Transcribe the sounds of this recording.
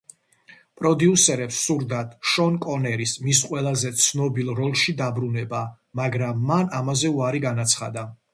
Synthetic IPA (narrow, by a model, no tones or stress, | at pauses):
pʼɾɔd̪iusɛɾɛpsːuɾd̪at̪ʰʃɔnkʼɔnɛɾismis̬qʼwɛlˠazɛt̪sʰnɔbilˠɾɔlˠʃid̪abɾunɛba | maɡɾamːanamazɛuaɾiɡanat̪sʰχad̪a